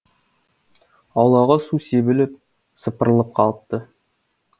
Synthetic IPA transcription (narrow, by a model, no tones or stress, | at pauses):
ɑwlˠɑʁɑsusebɘ̆lɘp̚ | sɤ̆pə̆ɾəlˠɤp̚qʰɑlˠt̪ːɤ